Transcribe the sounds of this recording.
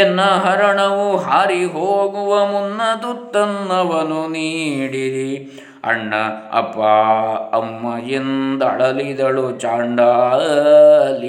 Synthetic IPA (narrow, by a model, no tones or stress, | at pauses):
nːɐɦɐɾɐɳɐʋuɦaːɾiɦoːɡuʋɐmunːɐd̪ut̪ːɐnːɐʋɐnuniːɽiɾi | ɐ̰ɳːɐɐ̰pːɐɐ̰mːɐjend̪ɐ̰ɭɐlid̪ɐɭut͡ʃaːɳɖɐ | lːi